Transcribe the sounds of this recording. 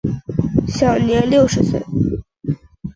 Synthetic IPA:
ɕjɑ˨˩ʊnjɛ˧˥nljo˥˩ʊʂɻ̩˧˥swḛ˥˩ɪ

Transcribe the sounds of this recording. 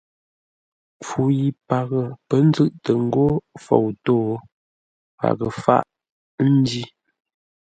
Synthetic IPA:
p͡fu˨ji˨pa˨ɣə˨pə˦n̩˦zɨ˦˨ʔtə˨ŋ̩˦ɡo˦fo̰˨wtoː˦˨ | pa̰˨ɣə˨fa̰˦ʔ | n̩˦di˦

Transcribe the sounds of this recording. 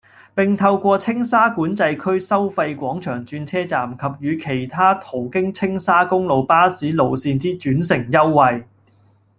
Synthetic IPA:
pɪ˨˩ŋt̪ʰɐ˧wkʷɔː˧t͡sʰɪ˥ŋsaː˥kuː˨˥nt͡sɐ˧jkʰɵ˥ɥsɐ˥wfa˧jkʷɔː˨˥ŋt͡ʃʰœː˨˩ŋt͡ʃyː˧nt͡sʰɛː˥t͡saː˨˩mkʰɐ˨p̚jyː˨˧kʰe˨˩jt̪ʰaː˥t̪ʰo˨˩wkɪ˥ŋt͡sʰɪ˥ŋsaː˥kʊ˥ŋlo˨˧wpaː˥siː˨˥lo˨wsiː˧nt͡siː˥t͡ʃyː˨˥nsɪ˨˩ŋjɐ˥wːɐ˨˧j

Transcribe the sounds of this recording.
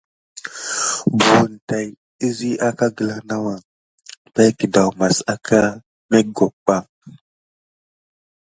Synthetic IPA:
bu˨u˨nta˨j | i˦zi˦ʔa˦ka˦ɡə˨la˨na˦wa˨ | ba˦jkə˨da˨wma˨sa˦kʰa˦ | me˦ɡo˨k͡pa˦

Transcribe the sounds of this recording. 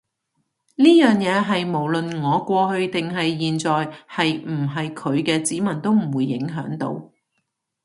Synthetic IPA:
liː˥jœː˨ŋjɛː˨˧ɦɐ˨jmo˨˩wlɵ˨nŋɔː˨˧kʷɔː˧ɦɵ˧ɥt̪ɪ˨ŋɦɐ˨jːiː˨nt͡sɔː˨jhɐ˨jm̩˨˩ɦɐ˨jkʰɵ˨˧ɥkɛː˧t͡siː˨˥mɐ˨˩nt̪o˥wm̩˨˩wuː˨˧jːɪ˨˥ŋɦœː˨˥ŋt̪o̰˧w

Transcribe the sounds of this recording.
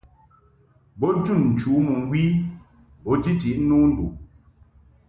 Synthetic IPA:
bɔ˦d͡ʒu˦˨n̩˨t͡ʃu˨˦mɔ˨ŋ̩˨˦ɡwi˦ | bɔ˨˦d͡ʒi˦ti˨ʔnu˦n̩˦dṵ˨

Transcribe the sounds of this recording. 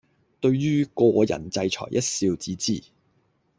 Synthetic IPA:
t̪ɵ˧ɥjyː˥kɔː˧jɐ̰˨˩nt͡sɐ˧jt͡ʃʰɔ̰ː˨˩jʔɐ˥t̚siː˧wt͡siː˨˧t͡siː˨˩

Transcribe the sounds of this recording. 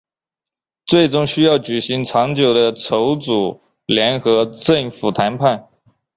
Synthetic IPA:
t͡swe˥˩ɪʈ͡ʂʊ˥ŋɕy˥jɑ˥˩ʊt͡ɕy˨˩ɕi˧˥ŋt͡sʰɑ˧˥ŋt͡ɕjo˨˩ʊd̪ə˦t͡sʰo˧˥ʊt͡su˨˩ | ljɛ˧˥nxɤ˧˥ʈ͡ʂə˥˩ŋfu˨˩t̪ʰa˧˥npʰa˥˩n

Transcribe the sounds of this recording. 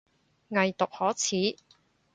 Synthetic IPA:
ŋɐ˨jt̪ʊ˨k̚hɔː˨˥t͡sʰiː˨˥

